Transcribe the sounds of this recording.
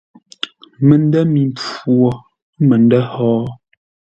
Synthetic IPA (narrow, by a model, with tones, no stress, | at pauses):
mə˨n˦dɛ˦mi˨mp͡fwɔ˨˦ | mə˨ndɛ˦hɔː˨˦